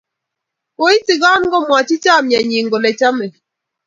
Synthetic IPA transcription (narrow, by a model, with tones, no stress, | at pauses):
ko˨˦i˦ti˨ɡɔ˦n˦ɡɔ˦mwa˨t͡ʃi˦t͡ʃa˦˨mja˨ɲi˨ŋ˨ɡo˨lɛ˨t͡ʃa˦me˨